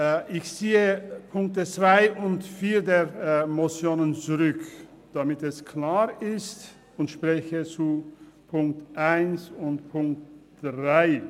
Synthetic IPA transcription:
ʔɪçt͡siːəpʰʊŋk̚tət͡sv̥aɪʔʊntfiːɐdeːʁmot͡sjoːnənt͡suʁʏk | d̥amɪtɛskʰlaːʁɪst | ʊntʃpʁ̥ɛçət͡su | pʰʊŋk̚tʔaɪnsʊntpʰʊŋk̚td̥ʁaɪ

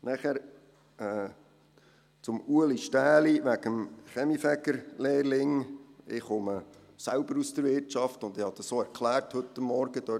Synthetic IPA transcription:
næχæɾ | ɛː | t͡sʊmuəliʃtæːliʋæɡəmχɛmifɛɡəɾleːɾlɪŋɪχʊmə | sælb̥əɾust̪əɾʋɪɾtt͡ʃɑftʊnd̪ɪhɑd̥̪əsoːɛɾkʰlæːɾthɵtːəmːɔɾɡ̥əd̥̪ø

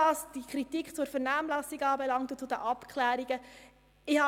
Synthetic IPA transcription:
ɑːsd̥ikʰɾitikχt͡sʊɾfəɾnæːmlæsiɡɑːbɛlɑŋt̪ut͡sʊdəʔɑpkχlæːɾiɡə | ɪhɑ

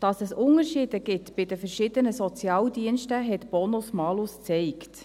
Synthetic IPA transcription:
d̥ɑsɛsʊnəɾʃiːd̥əɡ̥ɪtbɪdəfɛɾʃɪd̪ənəsɔt͡sjɑːldiənʃtəɦɛtb̥ɔnʊsmɑlʊst͡sɛɪkt

